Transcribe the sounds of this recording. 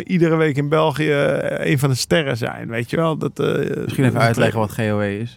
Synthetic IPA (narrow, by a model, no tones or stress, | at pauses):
ʔidərəʋeːkɪnbɛlˠxijəḛːnfɔndəstɛrəs̬ɛ̰jnʋejtʰjəʋɛlˠdɔtɪsχiənɛfəœɥtlɛɣəʋɔtχeːoːeɪs